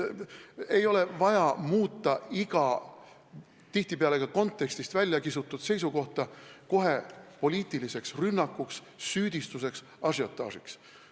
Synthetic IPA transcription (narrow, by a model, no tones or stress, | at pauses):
e̞jo̞le̞vɑjɑmuːt̪ːˑɑiɡ̥ɑ | t̪iht̪ipeɑle̞ɡ̥ɑko̞nt̪ːˑe̞kst̪ist̪vælʲjɑkisut̪ːˑud̪̥se̞jsuko̞ht̪ɑko̞ɦe̞po̞liːt̪ˑilise̞ksrynːɑkːˑuksː | yːd̪̥ist̪use̞ks | ɑsjo̞t̪ːˑɑ̰ːsiks